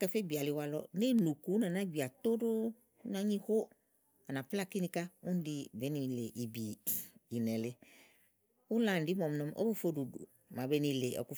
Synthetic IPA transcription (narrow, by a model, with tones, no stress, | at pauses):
kɛ˦fe˦bi˨a˨lɪ˨˧wa˧lɔ̰˧˦ni˦nu˨ku˨˦nã˨na˦bi˨a˨t̪o˦do˦ | na˦ɲĩ˦ho˦ | a˨na˨pla˦ki˦nĩ˧ka˦u˦n˦di˦˨bɛ˨˦ni˧le˨ʔi˨biː˨nɛ˨lɪ˦ | ʊ˦la˨dɪ˦mɔ˨m˦nɔ̃˧mʔo̰˦bo˦fo˦du˨dṵ˨ | ma˨bɛ˦ni˧˨le˨ʔɔ̰˨ku˦